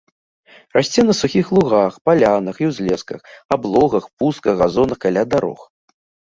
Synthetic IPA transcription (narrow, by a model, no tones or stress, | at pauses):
rasʲt͡sʲɛnɐsuxʲixlˠuɣaxpalʲanɐxiwzʲlʲɛskɐxablˠɔɣɐxpust̪̚kɐɣɣazɔnɐkalʲad̪aɾɔ̰x